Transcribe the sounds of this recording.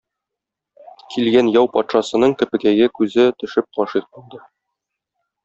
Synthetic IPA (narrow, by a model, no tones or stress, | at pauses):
kʰilɡænjɒwpɒt̪ʃɑsɤ̆nɤɴt̪ɵ̆pɘ̆kæɡɘkʉzɘt̪ɵ̆ʃɘp̚qɒʃiq̚bulˠd̪ɤ